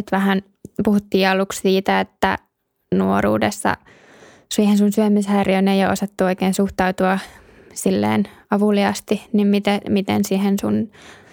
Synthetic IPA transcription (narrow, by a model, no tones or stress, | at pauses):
et̪ʋæhæn | puhut̪ːiːɑlukssiːt̪æet̪ːæ̰ | nuorṵːdesːɑ̰ | siːhensunsyømishæːrjønejɑo̰sɑt̪ːuoikeːnsuht̪ɑut̪uɑ | silːḛːnɑʋuliɑst̪inimmit̪emit̪ḛnsihensun